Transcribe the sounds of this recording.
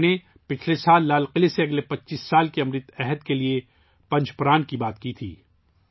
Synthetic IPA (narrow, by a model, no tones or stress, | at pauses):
ne | pɪt͡ʃʰlesaːlːaːlqɪleseɐɡlepɐtːʃiːsːaːlkiɐmɾɪt̪ɛɦəd̪kelie | pɐ̃ɲt͡ʃpɾaːnkibaːt̪kit̪ʰḭː